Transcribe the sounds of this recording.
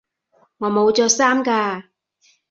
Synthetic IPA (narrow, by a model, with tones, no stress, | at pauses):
ŋɔː˨˧mo˨˧wt͡sɔː˧saː˥mkaː˧